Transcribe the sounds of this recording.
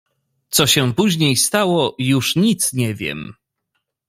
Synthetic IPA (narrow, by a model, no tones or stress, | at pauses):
t̪sɔɕɛpuʑɲejst̪awɔjuʂɲit̪sɲɛvʲjɛ̰m